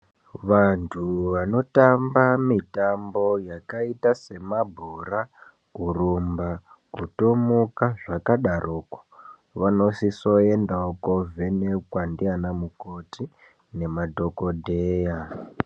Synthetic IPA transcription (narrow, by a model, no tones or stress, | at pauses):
ʋantʰuʋano̞tambamitambojakaitase̞mabʱura | urumba | kuto̞mukaʐakaɗarʔoːko̥ | ʋano̞siso̞e̞ndaokovʱene̞kwandianamuko̞ti | ne̞madʱo̞ko̞dʱeːja